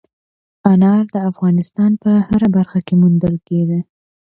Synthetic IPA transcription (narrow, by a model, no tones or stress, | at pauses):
anɑɾd̪əafɣɑnɪst̪ɑnpəhəɾabaɾxakemund̪əlkeɡe